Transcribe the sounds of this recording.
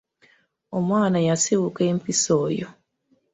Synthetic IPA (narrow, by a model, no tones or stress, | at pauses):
omwaːnajasiβukeːmpisoːjo